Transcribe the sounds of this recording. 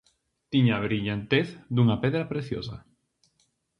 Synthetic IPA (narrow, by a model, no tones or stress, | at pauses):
t̪iɲaβɾiʎant̪eθd̪uŋapɛðɾapɾeθjo̰sa̰